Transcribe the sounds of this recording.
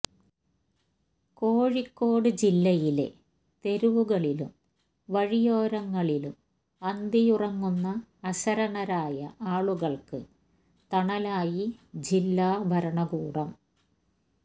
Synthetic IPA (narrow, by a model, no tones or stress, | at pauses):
ko̞ːɻikːo̞ːɽɨd͡ʑilːɐjile̞̰ | t̪e̞ɾuʋuɣɐɭilṵm | ʋɐɻijoːɾɐŋːɐɭilum | ɐnd̪ijurɐŋːunːɐːɕɐɾɐɳɐɾaːjɐʔaːɭuɣɐɭkɨ | t̪ɐɳɐlaːjid͡ʑilːaːbʱɐɾɐɳɐɣuːɽɐm